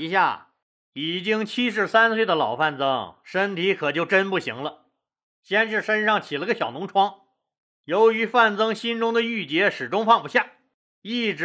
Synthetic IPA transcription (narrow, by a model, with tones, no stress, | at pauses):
i˧˥ɕja̰˥˩ | i˨˩t͡ɕi˥ŋt͡ɕʰi˥ʂ̬ɻ̩˥˧˩sa˥nswe˥˩ɪd̪ə˩lɑ˨˩ʊfa˥˩nt͡sɤ˥ŋʂə˥nt̪ʰi˧˥kʰɤ˨˩t͡ɕjo˥˩ʊʈ͡ʂə˥npu˥˩ɕi˧˥ŋlə˧ | ɕjɛ˥nʂɻ̩˥˧˩ʂə˥nʂɑ˥˩ŋt͡ɕʰi˨˩lə˧˥ɡə˧ɕjɑ˨˩ʊnʊ˧˥ŋʈ͡ʂʰwɑ˥ŋ | jo˧˥ʊy˧˥fa˥˩nt͡sɤ˥ŋɕi˥nʈ͡ʂʊ˥ŋd̪ə˨y˥˩t͡ɕjɛ˧˥ʂɻ̩˨˩ʈ͡ʂʊ˥ŋfɑ˥˧ŋpu˧˥ɕja˥˩ | i˥˩ʈ͡ʂɻ̩˧˥